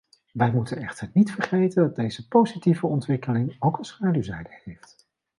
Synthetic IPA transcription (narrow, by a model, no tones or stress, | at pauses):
ʋɛjmutənɛχtəɹnitfəɹχejtəndɑt̚dejzəpowzitivəɔntʋɪkəlɪŋowkənsχaːdywzɛjdəhejft